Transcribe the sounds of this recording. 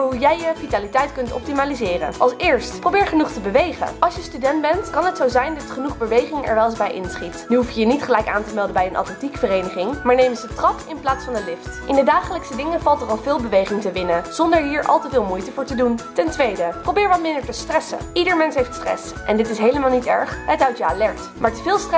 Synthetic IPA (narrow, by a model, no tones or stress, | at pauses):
ɦujɛjjəfitaːlitɛjtkɵntɔ̰p̚timaːlizɪːrə̰nʔɑlˠsɪːɹstprowbɪːɹχənuχtəbəʋejχə̰ɑlˠʃjəstydɛndbɛntkɑnɦətsowzɛjndɑtχənuχbəʋejχɪŋɛ̰ɹʋɛlˠɪzbɛjʔɪ̰nsχitnyɦufjəjənitχəlɛjka̰ːntəmɛlˠdəmbɛjənʔa̰tɛntikfərejnəχɪŋmaːɹnejmənzətrɑkɪnplaːtsfɑnəlɪftʔɪndədaːχələksədɪŋəvɑlˠtərɑlˠvɪːlˠbəʋejχɪŋtəʋɪnəz̥ɔndəɹɦiːɹʔɑ̰lˠtəvɪːlˠmujtəvʊːɹtəduntɛntʋejdəprowbɪːɹʋɑtmɪndəɹtəstrɛsə̰ʔidəɹmɛnsɦejftstrɛ̰s | ʔɛndɪtɪsɦejləmaːlˠnitɛ̰ɹχɦətœɥtjəaːlɛɹk̚tmaːɹtəvɪːlˠstr